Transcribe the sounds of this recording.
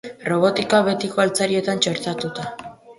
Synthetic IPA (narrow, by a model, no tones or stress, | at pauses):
ro̞β̞o̞t̪ikaβe̞t̪ikoalt͡saɾie̞t̪ant͡ʃe̞ɾt̪at̪ut̪a